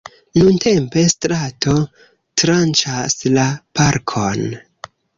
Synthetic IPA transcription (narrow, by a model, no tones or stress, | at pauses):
nunte̞mpe̞stɾato̞ | tɾant͡ʃaslapaɾkʰo̞n